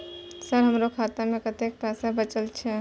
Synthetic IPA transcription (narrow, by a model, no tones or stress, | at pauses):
səɾɦəmɾokʰat̪amẽkət̪ek̚pasabət͡ʃəlt͡ʃʰɛ